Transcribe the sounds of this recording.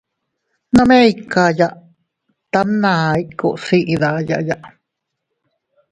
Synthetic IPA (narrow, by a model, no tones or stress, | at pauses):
nameikajaʔ | t̪amnaiʔkuʔsiʔiðaja̰ʔjaʔ